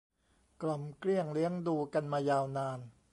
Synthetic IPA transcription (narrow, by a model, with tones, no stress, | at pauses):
kla˧˩mkli˥˩əŋli˦˥əŋduː˧ka˧nmaː˧jaː˧wnaː˧n